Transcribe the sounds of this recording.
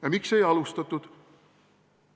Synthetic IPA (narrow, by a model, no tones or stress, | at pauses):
jɑmikse̞jɑlust̪ɑt̪ːˑut̪